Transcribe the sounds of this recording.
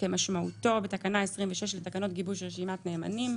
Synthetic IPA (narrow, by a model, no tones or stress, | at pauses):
ke̞maʃmauto̞betakanaesʁimveʃeʃletakano̞tɡibuʃʁeʃimatneːma̰nim